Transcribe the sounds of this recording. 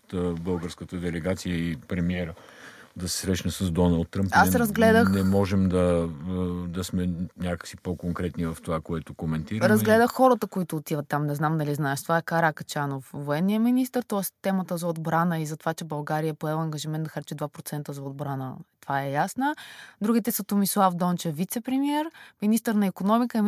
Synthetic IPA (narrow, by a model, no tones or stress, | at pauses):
t̪bɤlˠɡəɾskət̪əd̪ɛlɛɡat̪sijəipɾɛmiɛɾə | d̪ɐsɛ̥sɾɛʃnəsəzd̪ɔnəlˠt̪ːɾəmpasɾɐzɡlɛd̪əxnɛmɔʒɛmd̪ɐ | d̪ɐsmɛnʲjakə̥ksipokoŋkɾɛt̪nivɐft̪ovakoɛt̪okomɛnt̪iɾəɾɐzɡlɛd̪əxxɔɾət̪əkoit̪ʊːt̪ivət̪ːamnɛznamd̪ɐliznaɛʃt̪ovaɛkaɾakɐ̥t͡ʃanofvoɛnːijəminist̪əɾt̪ɔɛst̪ɛmət̪əzɐod̪bɾanəizɐt̪ovat͡ʃɛbɐlˠɡaɾijəpoɛlˠɐŋɡəʒimɛnt̪d̪ɐxɐɾt͡ʃɛd̪vapɾot̪sɛnt̪əzɐod̪̚bɾanə̰t̪ovaɛjasnəd̪ɾuɡit̪ɛsɐt̪omislˠafd̪ɔnt͡ʃɛfvit̪sɛpɾɛmiɛɾminist̪əɾnɐikonɔmikəɛ